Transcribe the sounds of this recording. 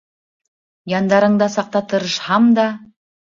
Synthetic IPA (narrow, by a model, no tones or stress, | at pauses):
jɑnd̪ɑɾəɴd̪ɑsɑq̚t̪ɑt̪əɾəʃhɑmd̪ɑ